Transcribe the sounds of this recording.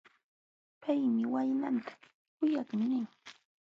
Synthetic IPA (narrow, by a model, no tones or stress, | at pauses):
pʰajmɪwajnant̪ḁ | kʊjakmɪnɪŋ